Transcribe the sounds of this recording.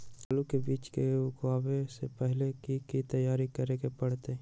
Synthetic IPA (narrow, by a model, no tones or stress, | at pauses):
alukebiːt͡ʃkeʊɡwaːbesepɛɦlekikit̪ɐjaːɾikɐɾeɡepɐɽ̤t̪eː